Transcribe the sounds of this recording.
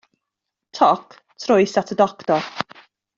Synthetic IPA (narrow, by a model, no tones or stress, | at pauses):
tʰɔk | tʰrʊjsatʰədɔktɔr